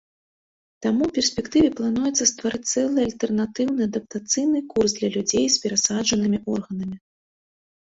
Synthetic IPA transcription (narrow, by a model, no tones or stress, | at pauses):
t̪amupʲɛrsʲpʲɛkt̪ɨvʲɛplˠan̪ujɛt̪sɐst̪vaɾɨt͡sʲt̪sɛlˠɨalʲt̪ɛrnat̪ɨwnɨad̪ɐp̚t̪at̪sɨjnɨkursd̪lʲɐlʲud͡zʲejspʲɛɾasaʐɐnɨmʲiʔɔrɣɐnɐmʲi